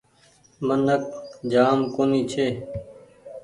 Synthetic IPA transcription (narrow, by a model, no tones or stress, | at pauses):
mənək̚d͡ʒaːmkoːniːt͡ʃʰeː